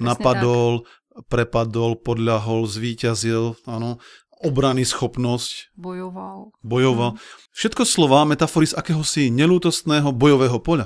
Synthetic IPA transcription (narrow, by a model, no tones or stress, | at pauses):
napad̪ɔl | pɾɛpad̪ɔlpɔd̪ʎaɦɔlzʋiːcazilanɔ | ɔbɾanisxɔpnɔscbjɔʋalbɔjɔʋalfʃɛt̪̚kɔslɔʋaːmɛt̪afɔɾizakɛːɦɔsiɲɛluːt̪ɔst̪nɛːɦɔbɔjɔʋɛːɦɔpɔʎa